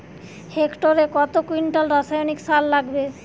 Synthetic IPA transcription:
hekʈoɾekɔt̪okwiɳʈalɾasajoniksalːaɡbe

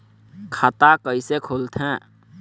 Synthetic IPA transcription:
kʰat̪akəisekʰolt̪ʰɦɛ̃

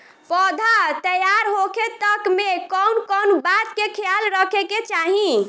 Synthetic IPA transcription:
pɔd̪ʱat̪əjaɾɦokʰet̪əkmekɔwnkɔnbat̪kekʰjalɾəkʰeket͡ʃaɦĩ

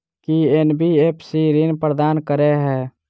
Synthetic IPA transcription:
kienbʱieːpsiːɾinpɾəd̪aːnkəɾeɦɛː

